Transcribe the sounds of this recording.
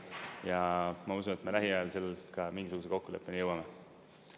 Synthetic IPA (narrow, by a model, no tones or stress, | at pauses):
jɑmɑusunet̪melæɦiɑɑlse̞lːkɑmiŋɡ̥is̬uɡ̥useko̞kːule̞pːˑenijɤwɑme